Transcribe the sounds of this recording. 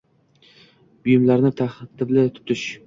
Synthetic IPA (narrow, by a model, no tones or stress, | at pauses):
bʊjɪmlaɾnɪt̪ʰaht̪ʰɪblɪt̪ʰʊ̥t̪ʰɪʃ